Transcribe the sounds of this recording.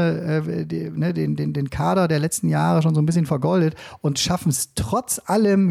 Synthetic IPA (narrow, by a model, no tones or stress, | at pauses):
əʔɛːdnədeːndeːndeːnkʰaːɾɐdeːɐlɛt͡stn̩jaːʁəʃoːnzoːnbɪsçənfɛɐɡɔldətʔʊntʃafn̩stʁ̥ɔt͡sʔaləm